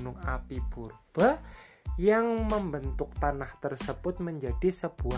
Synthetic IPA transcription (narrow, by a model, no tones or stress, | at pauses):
nʊŋa̰pib̥urb̥a | jaŋməmbənt̪ʊk̚t̪anaht̪ərsəb̥ʊt̪̚məɲd͡ʒad̥isəb̥ua